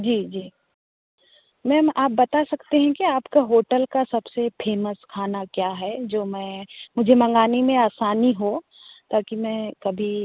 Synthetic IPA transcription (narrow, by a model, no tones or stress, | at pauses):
d͡ʒiːd͡ʒiː | mɛ̃aːp̚bɐt̪asɐkt̪eɦɛ̃kiaːpkaɦoːʈəlkasɐbsepʰeːməskʰaːnakjaːɦɛd͡ʒoːmɛ̃ːmʊd͡ʒʱemɐ̃ŋɡaːnimẽaːsaːniɦo | t̪aːkimɛ̃ːkɐbʱi